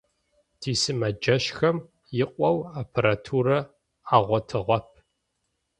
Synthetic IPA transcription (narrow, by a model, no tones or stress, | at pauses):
tʰiːsɨmɐd͡ʒɐɕxɐm | jɪqʷʼɔwapʰɐɾatʰuɾɐ | aːʁʷɔtʰɨʁʷɔp̚ʰ